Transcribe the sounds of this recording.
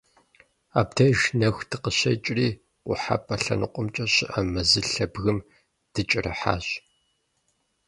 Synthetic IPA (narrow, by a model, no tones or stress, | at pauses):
a̰ːptʰɐʒnɐxʷtʰɨqəɕɐt͡ʃʼriː | ʊħa̰pʼɐɬɐ̰nɨqʷʼʊmt͡ʃʼɐɕɪʔɐmɐzɨɬɐbɣɨm | d̥ɨt͡ʃʼɪrɐ̰ħa̰ːɕʼ